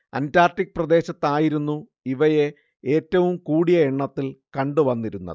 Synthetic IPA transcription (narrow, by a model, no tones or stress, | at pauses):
ɐntaːrtik̚ːprɐd̪e̞ːɕɐt̪ːaːjiɾunːu | iʋɐje̞ | e̞ːtːɐʋumkuːɽijɐeɳːɐt̪ːilkɐɳɖuʋɐnːiɾunːɐ̰ð